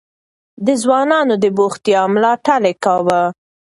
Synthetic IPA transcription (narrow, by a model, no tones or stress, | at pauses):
d̪əzwɑnɑnod̪əboxt̪jɑmlɑʈalekɑwa